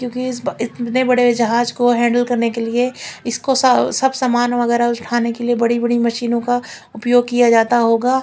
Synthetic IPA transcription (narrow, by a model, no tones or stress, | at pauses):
kjõːkiɪsɪt̪nebɐɽeɪd͡ʒɐɦaːd͡ʒkoɦɛ̃ːɳɖəlkɐɾnekelieɪskossɐbsaːmaːnʋɐɣɛːɾaʊt͡ʃʈʰaːnekeliebɐɽibɐɽimɐʃiːnõkaʊpjoːɡ̚kijad͡ʒaːt̪aɦoːɡaː